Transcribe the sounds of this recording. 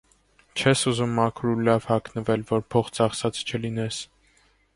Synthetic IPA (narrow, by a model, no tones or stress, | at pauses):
t͡ʃʰɛsuzumːɑkʰɾulɑvhɑknəvɛlvɔɾpʰɔχt͡sɑχsɑt͡st͡ʃʰəlinɛs